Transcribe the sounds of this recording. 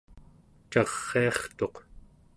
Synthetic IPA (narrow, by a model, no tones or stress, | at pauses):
t͡ʃɑʁːeɑχt̪o̞q